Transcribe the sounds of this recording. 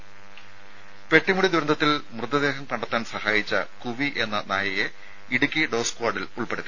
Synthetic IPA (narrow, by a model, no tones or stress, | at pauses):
pe̞ʈːimuɽid̪uɾɐnd̪ʱɐt̪ːilmrɨd̪ːɐd̪e̞ːɦɐmkɐɳɖɐt̪ːaːnsɐhaːjit͡ɕːɐ̰kuʋiʔe̞nːɐnaːjɐje | iɽukʲːiɖo̞ːskwaːrɖiluɭpeɽɐt̪ːi